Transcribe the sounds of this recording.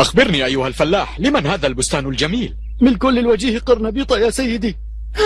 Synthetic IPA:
ʔaxbɪɾniːʔajːʊhalfalːaːħlɪmanhaːðaːlbʊst̪aːnʊld͡ʒamiːl | mɪnkʊlːɪlwad͡ʒiːhɪqɑɾˤnɑbiːt̪ˤɑjaːsajːɪd̪iː

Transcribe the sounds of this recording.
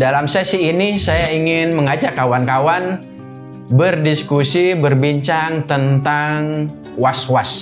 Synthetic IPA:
dalamsesiːnisajaiŋɪnməŋad͡ʒakawankawan | bərdiskusibərbiɲt͡ʃaŋt̪ənt̪aŋ | waswas

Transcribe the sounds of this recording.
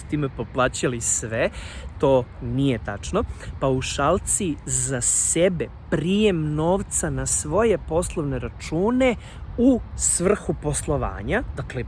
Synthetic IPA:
t̪iːmepo̞plˠaːt͡ɕalisʋet̪o̞ːnijet̪a̰t͡ʃnopauʃalˠt̪sizasebe̞ | pɾije̞mno̞ːʋt̪sanasʋo̞je̞po̞slˠoʋne̞ɾat͡ʃuːne̞ | usʋr̩xupo̞slˠo̞ʋa̰ːɲad̪akle

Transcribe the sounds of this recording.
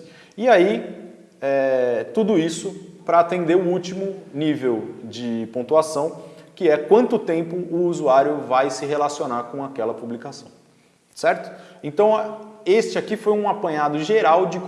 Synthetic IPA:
ɪai | ɛt̪ud̪ʊisʊpɾɐːt̪ẽnd̪eʊut͡ʃimʊnivewd͡ʒɪpõt̪uasɐ̃w̃kɪɛkwɐ̃nt̪ʊt̪ẽmpʊʊːzuaɾjʊvajsɪɦelasionaɾkõakɛlɐpublikasɐ̃w̃ | sɛɾt̪ʊ̥ẽt̪ɐ̃w̃est͡ʃɪakifojũapɐ̃ɲad̪ʊʒeɾawd͡ʒɪk

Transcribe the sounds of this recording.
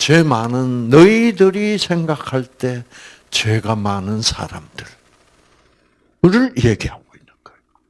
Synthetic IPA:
t͡ɕwe̞manɯnːʌidɯɾisʰe̞ŋɡakʰaɭt͈e̞ | t͡ɕwe̞ɡamanɯnsʰa̰ɾa̰mdɯɭ | kɯɾɯɭjeɡihaɡ̥oinːɯnɡ̥ajo

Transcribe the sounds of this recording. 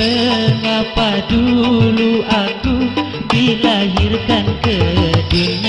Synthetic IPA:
əŋapaduluʔakubilaɦirkankəduɲ

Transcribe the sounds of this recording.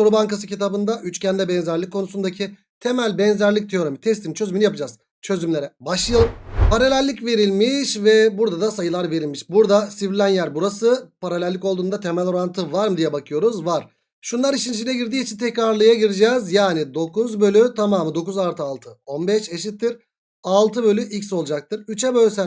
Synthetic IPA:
soɾubaŋkasɯcit̪abɯnd̪aʔyt͡ʃcʰænd̪ɛbɛnzæɾlʲikʰːo̞nusund̪acʰi | t̪ʰe̞mælʲbɛnzæɾlʲic̚t̪ʰeo̞ɾomit̪ʰɛst̪imt͡ʃʰø̞zymynijapɯd͡ʒaz̥ | t͡ʃʰø̞zymlʲe̞ɾɛbaʃlˠɯjopaɾalʲælʲlʲicve̞ɾilʲmiʃvɛbuɾd̪ad̪asajɯlˠaɾve̞ɾilʲmiʃbuɾd̪asivɾlʲænjæɾbuɾasɯpʰaɾalʲælʲːiko̞lˠd̪uːnd̪at̪ʰemælʲo̞ɾant̪ʰɯvaɾmɯd̪ijɛbakʰɯjo̞ɾuzvaɾ̥ | ʃunlˠaɾiʃind͡ʒinʲɛɟiɾd̪iːjit͡ʃʰint̪ʰɛcɾaɾlˠɯjaɟiɾid͡ʒɛzjaːnid̪o̞kuzbø̞lʲyt̪ʰamaːmɯd̪o̞kuzaɾt̪ʰɯalˠt̪ʰɯo̞nbɛʃeʃ̬it̪ʰːiɾ | alˠt̪ʰɯbø̞lʲyʔicso̞lˠd͡ʒak̚t̪ʰɯɾyt͡ʃʰɛbølʲysæn

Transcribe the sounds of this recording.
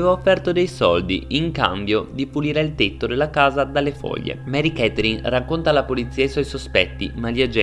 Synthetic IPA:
evaofːɛrt̪od̪ejsɔld̪iiŋka̰mbjod̪ipuliːɾeilt̪et̪ːod̪elːakaːzad̪alːefɔ̰ʎːḛmɛɾikɛt̪eɾinrakːont̪alːapolit̪siːaiswɔjsospɛt̪ːimalːiad͡ʒɛ

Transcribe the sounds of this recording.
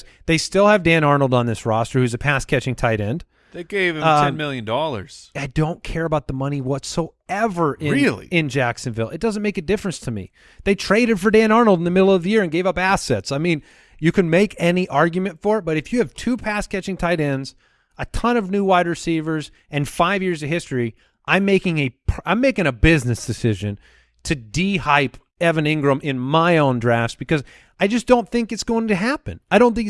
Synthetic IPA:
ðeɪstɪlˠɨvdæ̃ñɑɹnl̩ˠdn̩ðɪsɹɑstə˞hʉzɨpʰæskʰɛt͡ʃɪ̃ŋtʰaɪɾɛ̃nd̥ | ðeɪɡeɪv̥ɨ̃mɛɛ̃mɪlˠjɨ̃ndɔlˠə̰˞z̥aɪdõʊ̃nkʰɛɹɨbaʊt̪̚ðəmʌniwʌtsoʊ | ɛvə˞ʔʔɪ̃ɹɪlˠḭɪ̃nd͡ʒæksɨ̃nvɪlˠɨ̰t̚d̥ʌz̃n̩meɪkɨdɪfɹɨ̃nstʰɨmḭ | ðeɪtʰɹ̥eɪɾɨd̥fə˞dæ̃nɑɹnl̩ˠdn̩ðɨmɪɾl̩ˠʌvðɨjɪɹɨ̃nɡeɪvʌpæsɛtsaɪmĩn | jɨkɨ̃nmeɪkɛniʔɑɹɡjmɨ̃ntfə˞ɨt̚b̥ʌɾɨfjɨːv̥tʰʉpʰæskʰɛt͡ʃɪ̃ŋtʰaɪɾɛ̃nz | ətʰʌ̃nʌvnʉwaɪd̚ɹɨsivə˞z | ɨ̃nfaɪvjɪɹzʌv̥hɪstɹ̥i | ʔãɪ̃mːeɪkɪ̃ŋɨpʰãɪ̃mːeɪkɪ̃ŋɨbɪznɨsd̥ɨsɪʒɨ̰̃n | tʰɨdihaɪp | ɛvɨ̃nɪ̃ŋɡɹɨ̃mʔɪ̃nmaɪõʊ̃ndɹæft̚b̥ɨkʌz | aɪd͡ʒʌsd̥õʊ̃nθɪ̃ŋkɨtsɡ̥oʊɪ̃ŋtɨɦæpɨ̰̃naɪɾõʊ̃nθɪ̃ŋk

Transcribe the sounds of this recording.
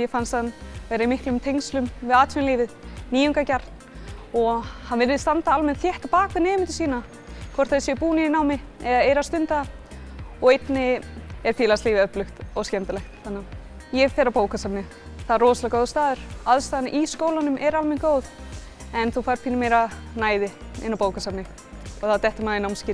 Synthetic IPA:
jɛfanst̪anːejɾaimɪhklʏmt̪ʰejŋslʏmvɪðaːt̪ʰfɪnliːvɪðniːʏŋkacaɾ̥t̪nɔhanvɪlvɪðst̪ant̪aalmɛnθjɛht̪ːalpaːkvɪðnɛːjmɪnt̪̬ʏ̥siːna | kʰvɔr̥t̪θɛsjɛpuːniinaːwmɪɛðaejɾast̪ʏnt̪a | ɔɣejt̪nɪɛɾ̥t̪ʰɪːlast̪iːvɪœplʏxt̪ɔɣscɛnt̪ɪlɛxt̪θanːa | jɛfɛːɾapoːwkasapnɪ | θaðrɔːsalakoːwðst̪aːðʏɾ̥aðst̪ajðanɪ̰ʔiskoːwlanʏmʔɛɾalmɛnkoːwð | ɛnθufajɾpʰinɪmeːjɾanaːjðɪ | ɪ̰nːawpoːwkasapnɪ | ɔɣθawt̪ɛht̪ɪmaːðɪnaːwmscɪːɾ

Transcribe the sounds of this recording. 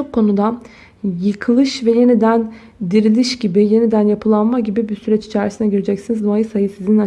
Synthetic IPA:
okkʰːo̞nud̪a | jɯkʰɯlˠɯʃvɛje̞nid̪æn | d̪iɾilʲiʃɟibɪje̞nid̪ænjapʰɯlˠanmaɟibibisyɾɛt͡ʃi̥t͡ʃʰæɾisinɛɟiɾed͡ʒɛcsinizd̪oajɯsajɯsizina

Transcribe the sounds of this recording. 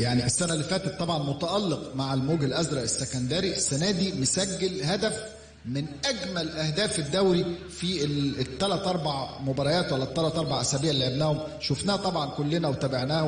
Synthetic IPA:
jaʕniʔesːænælːefæːt̪et̪ˤːɑbʕɑnmot̪æʔɑlːeqmaʕelmoːɡelʔæzɾˤɑʔesːekænd̪æːɾiʔesːænæːd̪imesæɡːelhæd̪æf | mɪnʔæɡmælʔæhd̪æːfed̪ːæwɾi | fit̪ːælæt̪ʔɑɾˤbaʕmobɑɾˤɑjæːt̪wælːæt̪ːælæt̪ʔɑɾˤbɑʕʔæsæbijːæʕlːiʕebnæːhomʃofnæːt̪ˤɑbʕɑnkolːenæwet̪æbaʕnæːh

